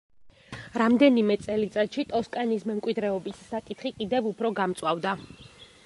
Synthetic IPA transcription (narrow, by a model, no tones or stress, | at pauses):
ɾamd̪ɛnimɛt̪sʼɛlit̪sʼɛt̪ʃit̪ʼɔskʼanismɛmkʼwid̪ɾɛɔbisːakʼit̪ʰχikʼid̪ɛvupʰɾɔɡamt̪sʼwavd̪a